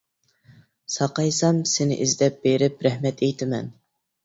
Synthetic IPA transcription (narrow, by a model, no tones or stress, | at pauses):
sɑqɑjsɑmsɪnɪ̰ʔizd̪ɛp̚beɾɪp̚ɾɛhmɛt̪ʰejt̪ʰɪmɛ̰n